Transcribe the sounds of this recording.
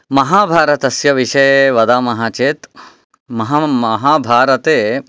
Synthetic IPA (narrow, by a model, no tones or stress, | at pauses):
mɐɦaːbʱaːɾɐt̪ɐsjɐʋiʃɐjeʋɐd̪aːmɐɦaːt͡ʃeːt̪ | mɐɦamɐɦaːbʱaːɾɐt̪eː